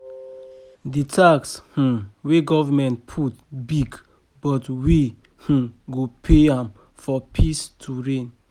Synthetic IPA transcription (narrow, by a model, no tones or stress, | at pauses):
ditʰaksh̩weɡɔvamɛ̃ntpʰutbiɡ | bɔtwi | hũɡopʰeãm | fɔpʰistʰuɹẽn